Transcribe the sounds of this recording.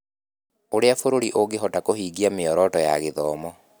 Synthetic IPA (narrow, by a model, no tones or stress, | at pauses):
oɾeafoɾoɾiʔoɡeɦɔtakohiːɡiameɔɾɔtɔja̰ɣeðɔːmɔ